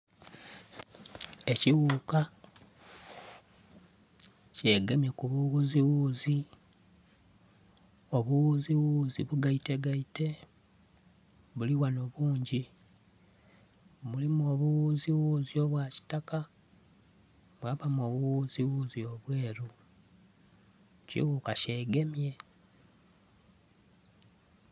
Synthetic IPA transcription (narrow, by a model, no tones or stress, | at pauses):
e̞ciwuːka | ce̞ːɡemekuβuɣuziwuːzi | oβuwuziwuːziβuɡaite̞ɡaite̞ | βuliwanoβuːɲɟi | mulimuo̞βuwuːziwuzio̞βwaci̥taka | βwaβamo̞ːβuwuziwuːzio̞βweːɾu | cḭɣukaʃe̞ːɡe̞mje̞